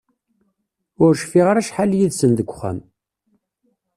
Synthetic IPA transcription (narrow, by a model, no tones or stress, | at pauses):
ʊɾʃfiʁaɾæʃħaljiðsənðəɡʷːχæ̰m